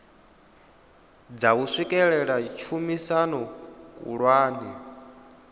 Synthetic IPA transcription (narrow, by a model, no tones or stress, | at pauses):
d͡zausʷikʼɛɺɛɺat͡ʃʰumisanɔkʼṵɺwaːni